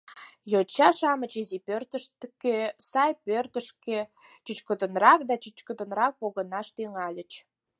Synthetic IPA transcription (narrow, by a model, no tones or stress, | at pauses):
jot͡ɕɑʃɑmət͡ɕizipørt̪əʃt̪kesɑjpørt̪əʃke | t͡ɕyt͡ɕkəd̪ə̆nrɑk̚d̪ɑt͡ɕyt͡ɕkə̆d̪ə̆nɾɑk̚poɣənɑʃt̪yŋɑlʲət͡ɕ